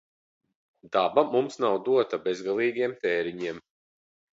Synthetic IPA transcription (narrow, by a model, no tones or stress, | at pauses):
d̪abamumsnawd̪uɔt̪abezɡalˠiːɡiɛmt̪ɛːɾiɲiɛm